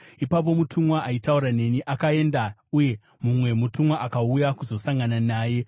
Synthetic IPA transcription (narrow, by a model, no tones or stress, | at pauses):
ipap̬o̞mutʰumwaʔaitauɾane̞niʔakae̞ndauje̞ | mumwe̞mutumwaʔakaujakuzo̞saŋɡananaːje̞